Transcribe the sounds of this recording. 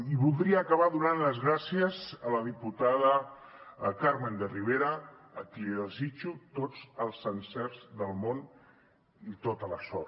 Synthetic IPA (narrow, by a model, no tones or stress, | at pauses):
iβulˠd̪ɾiəːkəβaðunanləzɣɾasiəzələðiput̪aðə | kaɾmend̪əriβ̞eɾəːk̪ilðəzit͡ʃut̪od͡zəlˠzənsɛɾzðəlˠmon | it̪ot̪ələsɔ